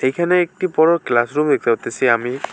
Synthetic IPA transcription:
ejkʰanɛːk̚tipɔɹɔklasɹumd̪eksat̪esiami

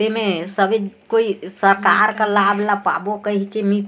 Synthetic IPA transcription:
emesəbʱekoisəɾka̰ɾkəlabʱlapa̰bokəɦit͡ʃʰɛmi

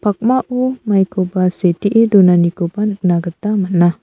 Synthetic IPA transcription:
pak̚maʔumajkobaset̪iʔedunanikobanək̚naɡət̪amanah

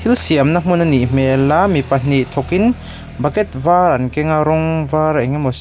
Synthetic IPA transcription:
t̪ʰilsiɐmnam̥unanim̥ɛlːamipɐn̥nit̪ʰɔkin | bɐkɛt̪̚vaɾɐnkɛŋaɾɔŋvaɾaŋamɔs

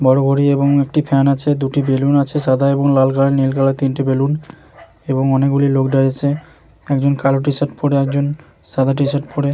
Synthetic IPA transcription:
bɔɽobʱoɾieboŋek̚ʈipʰɛnat͡ɕʰed̪uʈibelunat͡ɕʰeʃad̪ʱaeboŋlalkalenilkalat̪inʈibelun | eboŋɔnekɡulilokɖaɾiat͡ɕʰe | ɛkd͡ʑonkaloʈisaʈpoɾeɛk̚d͡ʑon | ʃad̪ʱaʈ̬isaʈ̚poɾe

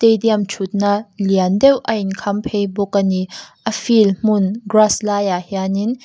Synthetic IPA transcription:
tejdiamt͡ʃʰut̪̚naliandɛwʔɐinkʰɐmpʰejbukːəniʔɐfilm̥unɡraslaːjahianin

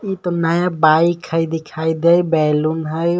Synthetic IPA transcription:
it̪onəjabaikʰəjd̪ikʰajd̪ejbɛlunɦəj

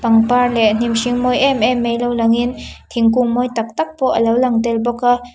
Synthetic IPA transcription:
paŋparlɛʔn̥imsiŋmɔjʔɛmɛmːejlowlaŋint̪ʰiŋkuŋmɔjt̪ak̚t̪ak̚pɔʔəlawlaŋt̪ɛlbɔkːa

